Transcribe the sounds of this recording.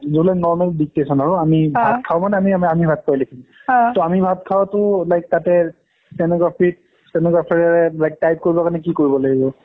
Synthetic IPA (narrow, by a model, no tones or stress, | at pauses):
zoblɛnɔɹmɛldik̚tesɔnaɹʊamibʱat̚kʰawmanɛamiaamibʱat̚kʰɔjlekʰimtɔamibʱat̚kʰawtʊlajk̚tatɛ | sɛnɔɡapʰit̚ | sɛnɛɡapʰaɹɛɹɛlajk̚tajp̚koɹibɔkanɛk̬ikoɹibɔlaɡibɔ